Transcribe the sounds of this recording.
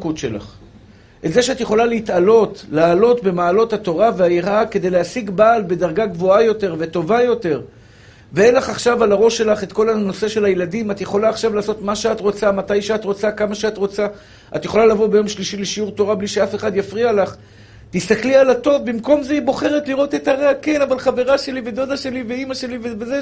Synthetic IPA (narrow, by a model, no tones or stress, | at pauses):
kutʃela̰χ | ʔetze̞ʃeat̪jeχo̞laleit̪alo̞tlaːlo̞t̪be̞maːlo̞thato̞ʁaveajeʁake̞d̪ejleasiɡbaːlbe̞d̪aʁɡaɡvo̞ajo̞te̞ʁve̞to̞vajo̞te̞ʁ | veelaχaχʃavalaʁo̞ʃe̞laχet̪ko̞lano̞se̞ʃe̞lajeladimat̪jeχo̞laːχʃavlaːso̞t̪maʃeat̪ʁo̞t͡samat̪ajʃeat̪ʁo̞t͡sakamaʃeat̪ʁo̞t͡sa | at̪je̞χo̞lalavo̞be̞jo̞mʃliʃileʃiuʁt̪o̞ʁabliʃeafe̞χad̪jafʁialaχ | tist̪aklialato̞vbimko̞mzeibo̞χe̞ʁetliʁo̞t̪e̞taʁakenavalχave̞ʁaʃe̞lived̪o̞daʃe̞liveimaʃe̞liveveze